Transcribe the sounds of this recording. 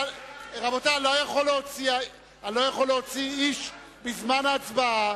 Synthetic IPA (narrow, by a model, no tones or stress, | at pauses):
ʁabotalojaχoleot͡sia | alo̞jaχoleot͡siiʃ | bizmanaːt͡sba